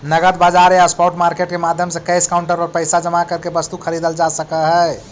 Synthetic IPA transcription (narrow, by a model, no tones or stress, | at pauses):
nəɡət̪bad͡ʒaɾjaspɔʈmaɾkeʈkemad̪ʱjəmsẽkəjskaʊɳʈəɾɔɾpəɪsad͡ʒəmakəɾkebəst̪ukʰəɾid̪əld͡ʒasəkəɦə